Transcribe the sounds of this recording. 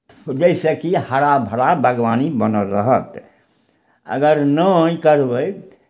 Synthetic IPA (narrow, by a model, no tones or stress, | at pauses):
d͡ʒəɪsekihəɾabʱəɽabʱəɡʋanibənəlɾəɦət̪ | ə̰ɡəɾnəĩkəɾbəj